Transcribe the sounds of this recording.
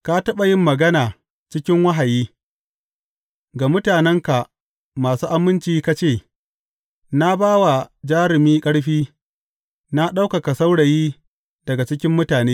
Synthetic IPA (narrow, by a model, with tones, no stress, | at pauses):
ka˦tɐ˦ɓa˨jɪ˦mːɐ˨ɡɐ˦naː˨ | t͡ʃɪ˦kʲɪ˦ŋwɐ˦ɦa˨jiː˦ | ɡa˨mʊ˦taː˨nɛ˦ŋka˨ʔ | maː˨suː˦ʔa˦mɪ˦nt͡ʃiː˦ka˦t͡ʃeː˦˨ | na˦baː˦wa˨d͡ʒaː˦ɾɪ˨miː˦kʼɐ˦ɽɸiː˦ | na˦ɗa˦wkɐ˨ka˨sa˦wɽɐ˨jiː˦ | d̥ɐ˨ɡa˨t͡ʃɪ˦kʲɪ˦mːʊ˦taː˨neː˦